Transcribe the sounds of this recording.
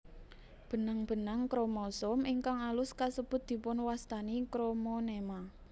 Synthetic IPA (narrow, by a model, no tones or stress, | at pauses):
b̥ə̤naŋb̥ə̤naŋkɾomɔsɔmʔiŋkaŋalʊskasəb̥ʊt̪̚d̪̥i̤pʊnwast̪anikɾomɔnema